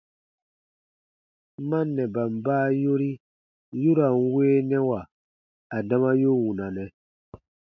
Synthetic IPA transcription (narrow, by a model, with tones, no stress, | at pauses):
mã˦nːɛ˨ba˨m˨baː˦jo˦ɾi˦ | ju˦ɾa˨n˦weː˦nɛ˦wa˨ | a˨da˦mã˦jo˦wu˨nã˨nɛ̃˨